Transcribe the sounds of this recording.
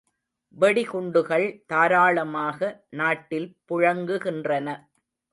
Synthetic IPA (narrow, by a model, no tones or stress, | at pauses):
ʋɛɽɪɣʊɳɖɯɣɐɭt̪aːɾaːɭɐmaːɣɐnaːʈːɪlpʊɻɐŋɡɯɣɪndrɐnɐ